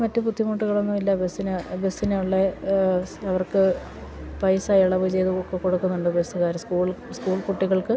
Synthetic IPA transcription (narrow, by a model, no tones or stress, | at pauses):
mɐtːɨpud̪ʱːjimuːʈːuɣɐɭonːumilːɐbesinɨbesineuɭːe | ɐʋɐrkɨ | pɐjsaːjɐɭɐʋɨt͡ɕe̞jðuokːekoɽukːunːuɳɖɨbesɨɣaːɾskuːɭskuːɭkuʈːiɣɐɭkɨ